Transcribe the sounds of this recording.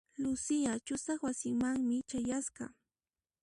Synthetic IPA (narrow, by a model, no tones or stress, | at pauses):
lʊsɪjat͡ʃʊsɑχwasɪŋmaŋmɪt͡ʃajasɢɑ̰